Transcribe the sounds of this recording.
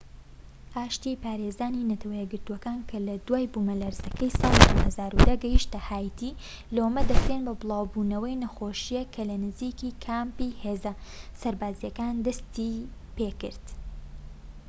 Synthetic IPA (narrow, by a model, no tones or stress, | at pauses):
ʔaːʃt̪ipaːɾezaːninɐt̪ʰɐwɐjɛɡɨɾt̪uwɐkaːnkʰɐlɐd̪waːjbumɐlaɾzɐkɐjsɑːlˠid̪uhɐzaːɾud̪ɐɡɐjiʃt̪ɐhaːjt̪ʰi | lɐomɐd̪ɐkɾenbɐbɨlˠɑːwbuːnɐwɐjnɐxoːʃijekʰɐlɐnɨzikikʰaːmpiheːzɐsɐɾbaːzijɐkaːnd̪ɐst̪ipeːkɨɾd̪̥